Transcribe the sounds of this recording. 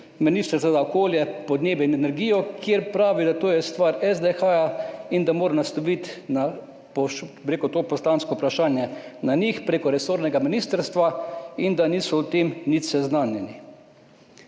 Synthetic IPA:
miniːst̪əɾt̪ʋazaɔkoːljɛpɔd̪neːbjɛinɛnɛɾɡiːjɔkʰjeɾpɾaːʋid̪at̪oːjɛst̪ʋaɾɛzd̪exaːjaind̪amoːɾanast̪ɔʋit̪na | pɔʃpɾeːkɔt̪oːpɔst̪aːnskɔupɾaʃaːnjɛnanixpɾeːkɔɾɛsoːɾnɛɡaminist̪əɾst̪ʋaind̪aniːsɔʊt̪emnit̪sɛznaːnjɛni

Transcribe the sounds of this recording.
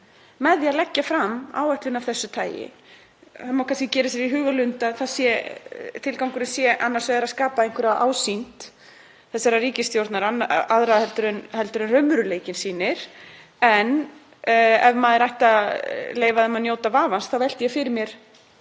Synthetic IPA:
mɛðjaðlɛcːafɾamːa̰ːwɛht̪lʏnav̥θɛsːʏt̪ʰaːjɪ̰ | hamawkʰanscɪcɛːɾɪs̬jɛɾiɦʏːɣalʏnt̪aθaðsjɛt̪ʰɪlkawŋkʏɾʏsjɛʔanːaɾ̥svɛðɛɾaskaːpaẽjŋ̥kʰvʏɾaðʔa̰ːwsint̪ | θɛsːaɾaɾiːcɪst̪jowɾt̪naɾanaðɾaðhɛlt̪ʏɾʏnhɛlt̪ʏɾʏnrœɥmʏɾʏleːjcɪnsiːnɪɾ̥ | ɛn | ɛvmaːðɛɾajht̪aleːjvaðɛmanjoːwt̪avaːvansθawvɛl̥t̪ɪjɛfɪɾɪɾmjɛɾ̥

